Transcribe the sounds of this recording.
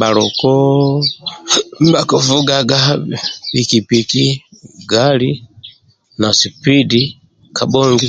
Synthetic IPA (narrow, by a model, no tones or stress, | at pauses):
balɔkɔ | m̩bakɔvuɡaɡabikipiki | ɡali | nasipidi | kabɔŋɡi